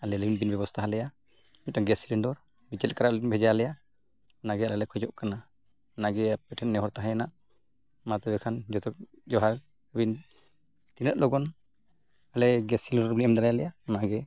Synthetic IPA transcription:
alɛləbinbinbɛbɔst̪ʰaɦalɛja | mit̪̚aɡɛsiliɳɖɔɾ | mit͡ʃɛlkaɾaʔlinbʱɛd͡ʒalɛja | naɡɛalɛlɛkʰɔd͡ʒɔʔkana | naɡɛapɛʈʰɛnːɛɦɔɾt̪aɦɛ̃janaʔ | mat̪ɛbɛkʰand͡ʒɔt̪ɔk̚ | d͡ʒɔɦaɾ | bin | t̪inəʔ̪̚lɔɡɔn | alɛɡɛsiliɳɖɔɾbiniɛmd̪aɾajalɛjanaɡɛ

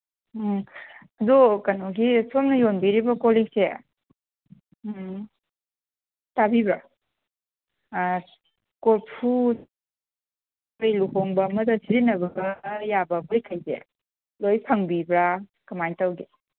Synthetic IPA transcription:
ɐdɔkɐnɔɡisomnɐjonbiɾibɐkoliŋse | tabibɾa | koɾpʰu | jluhoŋbɐmɐdɐsiɾinɐbɐɡɐjabɐbojkʰajzḛ | lojpʰɐŋbibɾakɐmajntawɡe

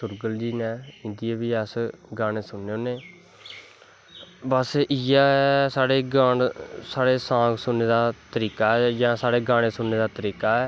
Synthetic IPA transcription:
sʊɾɡəld͡ʒiːnɛ̃ːɪ̃nd̪ijeːbiːəsɡaːɽ̃eːsʊnːeːoːneː | bəsɪjaːsaːɽeːɡaːnsaːɽeːsãːɡsʊnːeːd̪aːt̪əɾiːkaːɛd͡ʒãːsaːɽeːɡaːɽ̃eːsʊnːeːd̪aːt̪əɾiːkaːɛː

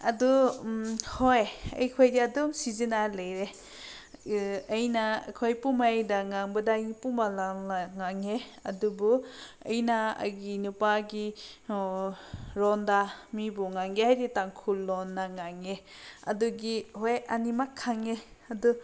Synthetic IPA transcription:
ɐdu | hojɐ̰jkʰojdiadɔmsizinalɐjɾe | jna̰kʰojpumajdaŋaŋbɐdaɡipumalanaŋaŋeɐ̰dubuɐ̰jnaɐ̰ɡinupaɡi | ɾɔndamibuŋaŋɡiɦajɾitaŋkʰulːɔnːaŋaŋe | ɐ̰duɡihojɐnimakʰːaŋeɐdu

